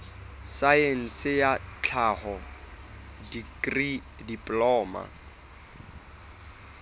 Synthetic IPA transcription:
sajɛn̩sɪjat͡ɬʰahɔ | dikʼri | dipʼlɔːma̰

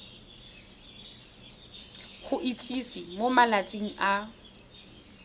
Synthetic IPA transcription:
χʊʔit͡sʼisimomalat͡sʼeŋ̩ʔa

